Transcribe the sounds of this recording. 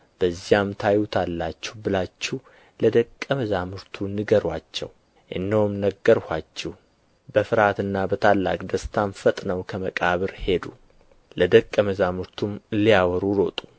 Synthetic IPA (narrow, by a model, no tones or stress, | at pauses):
b̥əzːijamt̪ʰajut̪ʰalːat͡ʃːɛhbɨlat͡ʃːih | ləd̪əkʼːəməzamɨɾt̪ʰunɨɡəɾwat͡ʃːɛ̰w | ʔɨ̰nːiwumnəɡːəɾhʷat͡ʃːɛh | bəfɨɾat̪ɨnːabət̪ʰalːa̰kʼd̪əst̪ʰamfət̪ʼnəwkʰəməkʼaβɨɾhe̞d̪u | ləd̪əkʼːəməzamɨɾt̪ʰumlijawɔɾuɾo̞t̪ʼu̥